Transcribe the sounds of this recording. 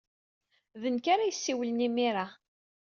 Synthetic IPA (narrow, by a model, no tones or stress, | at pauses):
ðənkaɾajəsːiwələnimiɾa